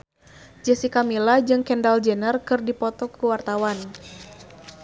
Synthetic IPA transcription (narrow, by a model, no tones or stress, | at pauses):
d͡ʒɛsikamilad͡ʒɨŋkɛndald͡ʒənərkɨrdipɔt̪ɔkuwart̪awan